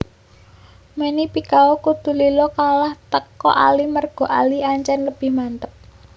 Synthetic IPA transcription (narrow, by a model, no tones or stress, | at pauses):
menipikaokut̪ṳlilɔkalaht̪əkɔ̰ʔa̰limərɡ̥ɔ̤ʔaliaɲt͡ʃɛnləb̥ɪhmant̪əp̚